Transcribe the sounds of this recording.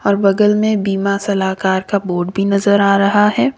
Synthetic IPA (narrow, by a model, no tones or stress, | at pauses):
ɔːɾbɐɡəlmẽbiːmasɐlaːkaːɾkaboːɾɖbʱinɐzəɾaːɾɐɦaɦɛː